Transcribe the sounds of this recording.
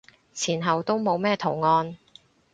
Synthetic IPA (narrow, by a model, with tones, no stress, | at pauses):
t͡sʰiː˨˩nɦɐ˨wt̪o˥wmo˨˧wmɛː˥t̪ʰo˨˩ŋɔː˧n